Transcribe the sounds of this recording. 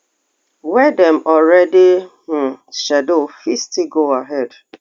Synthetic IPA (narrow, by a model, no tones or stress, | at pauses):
wɛdɛ̃mɔlɾɛdɪh̩ʃɛdoofistiɡoaɦɛd